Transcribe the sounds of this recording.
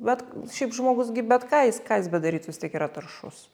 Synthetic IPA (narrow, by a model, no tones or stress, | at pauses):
ʋʲɛt̪ʃʲɛɪpʒmoːɡʊsɡʲɪbʲɛt̪kɑːjɪskɑːjɪsbʲɛd̪ɐɾʲiːt͡ssʋʲɪst̪ʲiɛkiːɾɐt̪ɐrʃʊ̰s